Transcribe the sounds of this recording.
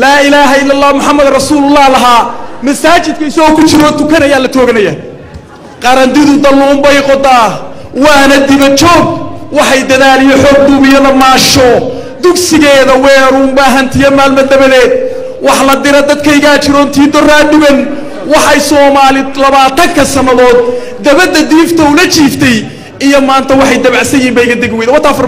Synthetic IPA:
laːɪlaːɦɐɪlːɐlːaːmʊħɑmːɐðrɐsuːlʊlːaːhlɐɦaːmɐsaːt͡ʃɪd̪̚kʰɐɪsɐɣɔːkʰʊt͡ʃɪɾɔːt̪ʊkʰɐnɐjaːlɐt̪ʰɔːɣɐnɐjɐː | qɑɾɐnt̪ɪðʊd̪ɐlːɔːmbɛjqɔd̪aːwɑːnɐd̪ɪβɐt͡ʃɔːɡ̚wɑħɑjd̪ɐðaːlɪjɔħɔːɡ̚d̪ʊβɪjɐðɐmaːʃɔ | d̪ʊksɪɣɛːðɐwɛːɾʊːmbaːɦɐnt̪ʰɪjɐmaːlmɐd̪ɐβɐðɛːd̪̚ | wɑħlɐd̪ɪɾɐd̪ɐd̪kʰɐɪɣaːt͡ʃɪɾɔːnt̪ʰiːd̪ɔraːɖɪβɛn | wɑħɑjsɔːmaːlɪlɐβaːt̪ʰɐŋkʰɐsɐnːɐðɔːd̪̚ | d̪ɐβɐd̪ːɐd̪iːft̪ʰɐʊlɐt͡ʃiːft̪ʰɛj | ɪjɔmaːnt̪ʰɐwɑħɑjd̪ɐβɑʕsɐjiːmbɛjkʰɐd̪ɛɡwɛj̪wt̪ːfr

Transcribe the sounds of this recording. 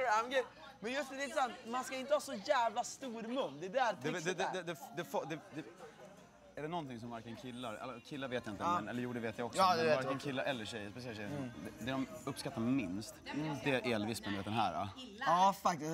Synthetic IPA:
amɡe | mɛnjɵsnʉd̪ɛɪnt̪əsant̪manskaɪnt̪əhɑːsɔjæːvlast̪uːɾmɵnːd̪ɛd̪æɾd̪ɛd̪ɛd̪ɛd̪ɛd̪ɛfd̪ɛfɔd̪ɛd̪ɛ | æɖɛnɔnt̪ʰɪŋsɔmvaɾkənkʰɪlːaɾɛ̰lːkʰɪlːaɾveːt̪jaɪnt̪ɛnɛlːəɾjuːɖɛveːt̪jajɔksɛvaɾkənkʰɪlːaɾʔɛlːəɕɛjəspɛs̬ɛʃɛjd̪ɛd̪ɛɾɔmɵpːskat̪ːamɪnst̪d̪ɛʔɛlvɪsmɛnd̪eːt̪ːɛnɦæ̰ːɾa̰ | ɑːfakt̪ɪ

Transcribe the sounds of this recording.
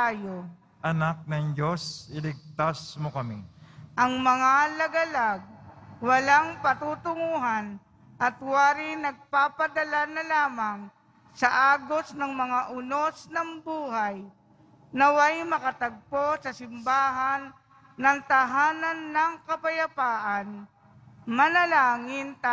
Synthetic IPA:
t̪aːjo | ʔɐnak̚nɐŋd͡ʒo̞sɪlɪɡ̚t̪asmokɐmiʔɐŋmɐŋalɐɡɐlaɡ̚wɐlaŋpɐt̪uːt̪ʊŋuɦan | ʔɐt̪waːɾɪnɐɡ̚paːpɐd̪ɐlanɐlaːmɐŋ | sɐʔaːɡosnɐŋmɐŋaʔʊnosnɐŋbuːɦaj | nɐwajmɐkɐt̪ɐɡ̚posɐsɪmbaːɦanː | ɐŋt̪ɐɦaːnɐnːɐŋkɐpɐjɐpaːʔan | mɐnɐlaːŋɪnt̪a

